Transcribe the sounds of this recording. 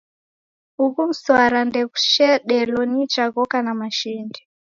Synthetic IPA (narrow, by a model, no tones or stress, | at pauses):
ukum̩swaɾandɛku̥ʃɛɗɛlɔnit͡ʃaɣɔkanamaʃindi